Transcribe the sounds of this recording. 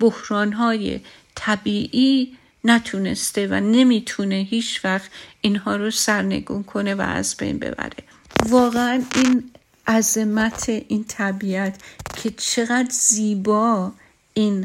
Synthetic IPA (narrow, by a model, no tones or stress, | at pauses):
b̥ohɾɒːnɦɒːjḛ | t̪ʰæbiːʔiː | næt̪ʰune̞̰st̪e̞væ̰ne̞miːt̪ʰune̞ɦiːt͡ʃʰvæxt̪inhɒːɾosæɾne̞̰ɡuːnkʰo̞ne̞væ̰æ̰zbḛjnbḛbæ̰ɾe̞̰ | vɒːɣeæniːn | ʔæzemæt̪ʰeʔiːnt̪ʰæbiæt̪ʰcʰe̞t͡ʃʰe̞ɣæd̪ziːbɒː | iːn